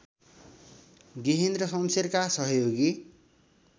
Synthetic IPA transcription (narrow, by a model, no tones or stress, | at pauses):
ɡiɦind̪rʌsʌmserkasʌɦʌjoɡi